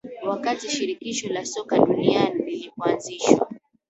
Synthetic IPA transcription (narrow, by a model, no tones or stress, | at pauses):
wakatiʃiɾikiʃɔlasɔkaɗunianililipuanziʃwa̰